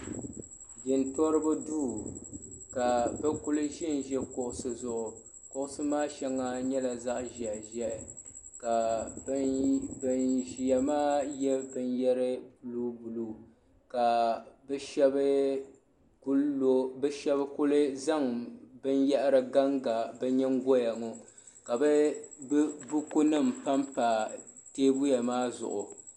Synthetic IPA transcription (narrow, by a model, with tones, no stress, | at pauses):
ɡɪ˨ntɔ˦ɾɨ˦bɨ˦duː˦ | ka˨bɛ˦kʊ˦lɨ˦ʒi˦n˨ʒɛ˦kʊ˨ʔʊ˨sɨ˨zʊ˨ʔʊ˨ | kʊ˨ʔʊ˨sɨ˦maː˦ʃɛ˦ŋːa˦ɲɛ˦la˨za˦ʔʒɛ˨ʔʒɛ˨ʔ | ka˨˦ | bɨ˨nʒi˨ja˨maː˦jɛ˦bɨ˨njɛ˦ɾɨ˦bu˨˦lu˦bu˨lu˨ | ka˨bɛ˦ʃɛ˦bɨ˦ | ku˦lːo˦bɛ˦ʃɛ˦bkʊ˦lɨ˦za˦ŋbɨ˦njɛ˦ʔɾɨ˦ɡa˦ŋɡa˨bɛ˦ɲɛ˦ŋ˦ɡo˦ja˨ŋo˨ | ka˨bɛ˦bbʊ˦ku˦nɨ˦˨m̩pa˦mpa˨ | teː˦bʊ˦ja˨maː˦zʊ̰˨ʔʊ˨